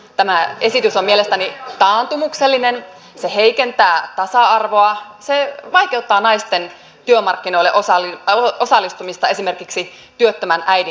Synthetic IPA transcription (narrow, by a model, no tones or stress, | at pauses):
t̪æmæe̞sit̪ysomielest̪ænit̪ɑːnt̪umukselːinen | seheikent̪æːt̪ɑsɑɑrʋoɑ | seʋɑikeut̪ːɑːnɑist̪en | t̪yømɑrkːino̞ilḛʔosɑliosɑlːˑist̪umist̪ɑe̞sime̞rkiksi | t̪yøt̪ːømænʔæjdi